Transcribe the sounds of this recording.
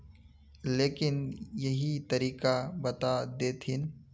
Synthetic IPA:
leːkɪnjɐɦit̪ɐɾiːkabɐt̪ad̪eːt̪ʰɪn

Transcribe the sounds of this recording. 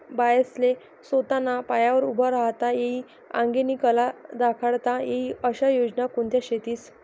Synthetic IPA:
bajəsle | sot̪anapajaʋəɾubʱaɾaɦt̪ajeiː | ã̰ŋɡeniːkəlad̪akʰəɭt̪ajeɦiəɕajod͡ʑnakoɳt̪jaɕet̪iːs

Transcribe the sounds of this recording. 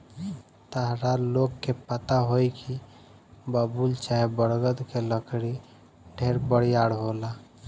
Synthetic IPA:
t̪əɦɾalokkːepət̪aɦojki | bəbult͡ʃaɦebəɽɡəd̪keləkɽi | ɖʱeɾbəɽjaɽɦola

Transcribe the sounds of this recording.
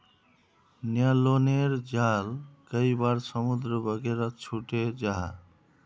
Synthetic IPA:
njaloneɾd͡ʒalkəjbaɾsʌmud̪ɾəbʌɡeɾɔt͡ʃʰuʈed͡ʒaɦa̰

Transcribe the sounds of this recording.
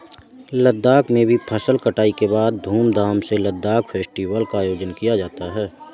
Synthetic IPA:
ləd̪ːaːkmẽbʱipʰəsəlkəʈaːikebaːd̪̚ːʱuːmd̪ʱaːmseləd̪ːaːkfʰeːsʈiːʋəlkajoːd͡ʒənkijad͡ʒaːt̪aɦɛː

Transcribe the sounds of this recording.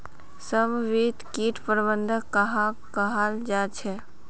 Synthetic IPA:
səmʋit̪kiːʈʰpəɾbənd̪ʱəkəɦa | kəɦald͡ʒaːt͡ʃʰɛ

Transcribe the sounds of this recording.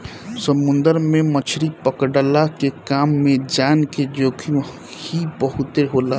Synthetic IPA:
səmʊ̃nd̪əɾmẽmət͡ʃʰɾipəkɖəlakekaːmːẽd͡ʒaːnked͡ʒoːkʰĩ | hibəɦʊt̪eɦoːla

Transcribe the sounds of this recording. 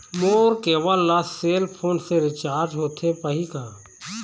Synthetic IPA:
moːɾkeːʋəlːaseːlpʰoːnseɾɪt͡ʃaːɾd͡ʒɦoːt̪ʰepəɦikaː

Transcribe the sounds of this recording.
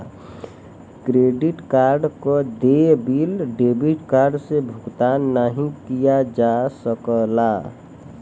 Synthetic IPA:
kɾeɖiʈkaɾɖkɔd̪ebilɖebiʈkaɾɖsebʱukt̪anːaɦĩkijad͡ʒasəkəla

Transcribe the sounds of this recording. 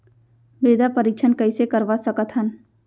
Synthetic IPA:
bɾɪd̪apəɾik̚t͡ʃʰənkəisekəɾʋasəkət̪ɦən

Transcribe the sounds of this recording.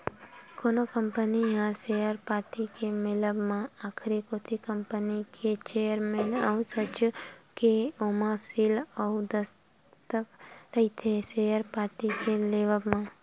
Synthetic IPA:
konokəmpəniɦãsejəɾpaʈikemɪləbmãakʰɾikot̪ʰikəmpənikʰet͡ʃejəɾmenəusət͡ʃkeomãsiləud̪əs | t̪əkɾəɦit̪ʰesejəɾpaʈikeleʋəbmã

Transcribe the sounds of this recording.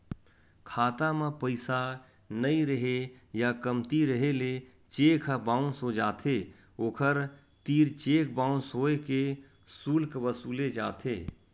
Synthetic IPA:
kʰaːt̪amẽpəɪsa | nəiɾəɦejakəmt̪iɾəɦele | t͡ʃeːkʰəbãːũsod͡ʒaːt̪ʰe | oːkʰəɾ | t̪iːɾt͡ʃeːkbãːũsoːeke | suːlkʋəsuːled͡ʒaːt̪ʰeː

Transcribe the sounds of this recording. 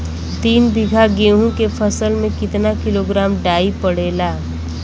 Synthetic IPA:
t̪iːnb̪ɪɡʱaɡeːɦũkepʰəsəlmẽkɪt̪nakɪloːɡɾaːmɖaːipəɽeːlaː

